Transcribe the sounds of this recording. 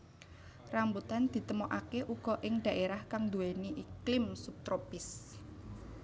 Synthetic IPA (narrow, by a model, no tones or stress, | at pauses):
rambut̪and̪̥i̤t̪əmoʔakeʔuɡ̥ɔ̤ʔɪŋd̪̥a̤ʔeɾahkaŋd̪uwɛniʔiklɪmsup̚t̪ɾopɪs